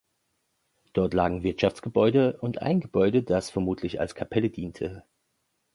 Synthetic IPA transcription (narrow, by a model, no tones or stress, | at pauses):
d̥ɔɐtlaːɡŋ̩vɪɐtʃaft͡sɡ̥əbɔʏdəʔʊntʔa̰ɪnɡəbɔʏdədasfɛɐmuːtʰlɪça̰lskʰapʰɛlədiːntʰə